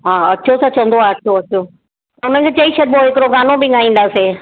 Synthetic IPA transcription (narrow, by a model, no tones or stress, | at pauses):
ɦaːɐtːʃʰosɐt͡ɕɐ̃nd̪oaɐtʃʰoɐtːʰo | ʊnə̃kʰeːt͡ɕɐiʃɐɾbʱoɦɪkɪɾoɡaːnobɪɠaːĩːn̆d̪aːseː